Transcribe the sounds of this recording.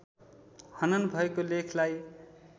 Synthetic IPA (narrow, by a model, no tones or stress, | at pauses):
hʌnʌnbʱʌekolekʰlaj